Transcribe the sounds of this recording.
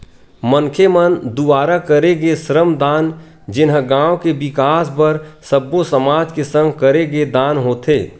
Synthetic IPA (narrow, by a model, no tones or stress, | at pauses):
məŋkʰemənd̪ʊbaːɾakɐɾeɡesɾəmd̪aːn | d͡ʒɪnɦɡãːokebɪkaːspɐɾsɐbːosɐmaːd͡ʒkesə̃ŋɡkɐɾeɡed̪aːnɦoːt̪ʰeː